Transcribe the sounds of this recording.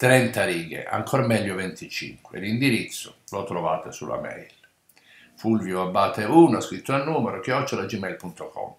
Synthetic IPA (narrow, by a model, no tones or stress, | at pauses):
t̪ɾɛnt̪aɾiːɡḛʔa̰ŋkʰɔɾmɛʎːovɛnt̪ʰit͡ʃḭŋkweḛlːind̪iɾit̪sːʊlot̪ɾova̰ːt̪esṵlʔa̰mɛ̰jl | fulvjoabːaːt̪euːnʊaskɾit̪ːoanːuːmeɾok̟eɔt͡ʃːolad͡ʒimɛjlpunt̪okʰɔ̰m